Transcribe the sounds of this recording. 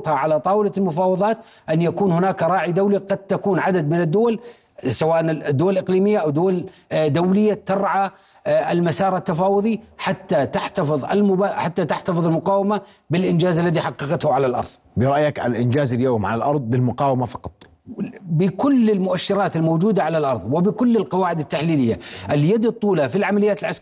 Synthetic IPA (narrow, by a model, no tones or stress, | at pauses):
t̪haʕalat̪ˤɑːwɪlalmʊfɑːwɑðˤɑːt̪ | ʔanjakuːnhʊnaːkɾˤɑːʕid̪awliqɑd̪̚t̪akuːnʕad̪ad̪mɪnɪd̪ːʊwal | sawaːʔanɪd̪ːʊwalʔɪqliːmɪjːaʔawd̪ʊwald̪awlɪjːat̪ɑɾˤʕa | ʔɪlmasɑːɾˤat̪ːafɑːwʊðˤiħat̪ːat̪aħt̪afɨðˤa̰lmʊbaħat̪ːat̪ɪħt̪ɑfɨðˤɪlmʊqɑːwama | bɪlʔɪnd͡ʒaːzalːaðiħɑqːɑqɑt̪hʊʕalalʔɑ̰ɾˤðˤ | bɪɾˤɑʔjakʔa̰lʔɪnd͡ʒaːzɪljoːmʕa̰lalʔɑɾˤðˤbɪlmʊqɑːwɪmafɑ̥qɑ̥t̪ˤ | bɪkʊlːɪlmʊʔaʃːɪɾɑːt̪ɪlmoːd͡ʒuːd̪aʕalalʔɑɾˤðˤwɪbɪkʊlːɪlqɑwaːʕɪd̪ɪt̪ːaħliːlɪjːaʔɪljad̪ɨt̪ˤːuːlafilʕamalɪjaːt̪ɪlʕask